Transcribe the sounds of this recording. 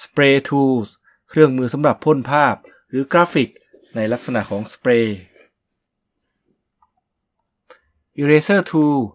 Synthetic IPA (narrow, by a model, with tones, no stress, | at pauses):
spɾeː˧t̪ʰuː˧s | kʰɾɯ˥˩əŋmɯː˧sa˩˦mɾa˨˩pʰːo˥˩˨npʰaː˥˩p̚ | ɾɯː˩˦kɾaː˦˥fi˨˩k̚ | na˧jla˦˥k̚sa˧na˨˩ʔkʰɔː˩˦ŋspɾeː˧ | ʔi˧ɾeː˧sɤː˥˩t̪ʰuː˧